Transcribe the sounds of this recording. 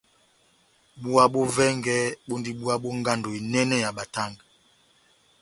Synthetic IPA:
ɓu˦a˦ɓo˦vɛ˦ŋɡɛ˦ɓo˦ndi˦ɓu˦a˦ɓo˦ŋɡa˦ndo˨i˨nɛ˦nɛ˦ja˨ɓa˨ta˦˨ŋɡ

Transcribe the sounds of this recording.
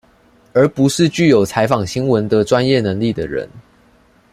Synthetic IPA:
ə˞˨˥pu˨˦ʂɻ̩˥˧t͡ɕy˥˩jo˨˩ʊt͡sʰa˧˦ɪfɑ˨˩ŋɕi˦ŋwə˨˦nd̪ə˧ʈ͡ʂwa˦njɛ˥˨nə˧˦ŋli˥˨˩d̪ə˩ɻə̰˧˦n

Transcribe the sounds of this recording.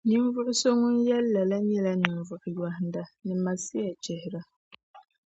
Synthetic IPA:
ni˦ɱ˦vʊ˦ʔʊ˦so˦ŋʊ˦njɛ˦lːa˨la˦ɲɛ˦la˦nɨ˨mvʊ˨ʔʊ˨ja˨hn˦da˨nɨ˨ma˨si˦ja˨t͡ʃɛ˨hɪ˨ɾɨ˦

